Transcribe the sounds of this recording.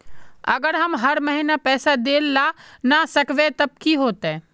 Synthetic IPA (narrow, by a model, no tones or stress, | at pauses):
ɐɡəɾɦɐmɦɐɾməɦinapɛːsad̪eːlːanasɐkʰʋet̪ɐb̚kiɦoːt̪eː